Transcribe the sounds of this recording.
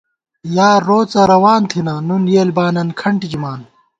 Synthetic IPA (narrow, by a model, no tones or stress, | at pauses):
jaːɾoːt͡sɐɾɐwaːnt̪ʰinɐnunjeːlbaːnɐnkʰɐɳʈid͡ʑimaːn